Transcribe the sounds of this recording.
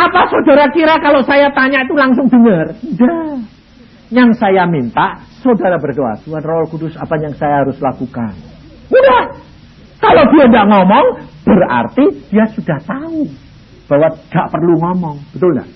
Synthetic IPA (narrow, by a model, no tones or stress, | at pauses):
ʔapasodaɾakiɾakalosajat̪aɲaʔit̪ulaŋs̬ʊŋdəŋərnda | jaŋsajamint̪aʔsodaɾabərɡoa̰suanrɔlkudʊsapajaŋsajaɦaɾʊslakuka̰n | mudah | kalodiandaʔŋɔmɔŋb̥əra̰rt̪id̥iasudaht̪au | b̥awaɡ̥a̰ʔpərluŋɔmɔŋb̥ət̪ʊlɲa̰